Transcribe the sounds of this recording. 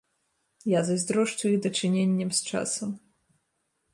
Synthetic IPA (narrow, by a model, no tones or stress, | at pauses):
jazɐzʲd̪ɾɔʂt͡ʃujiɣd̪ɐt͡ʂɨnʲenʲːɐmst͡ʂa̰sɐm